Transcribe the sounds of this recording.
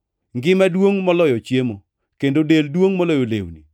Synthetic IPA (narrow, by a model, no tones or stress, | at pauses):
ŋɡɪmadwoŋmɔlɔjɔt͡ʃjemo | kendodeldwoŋmɔlɔjolḛwnḭ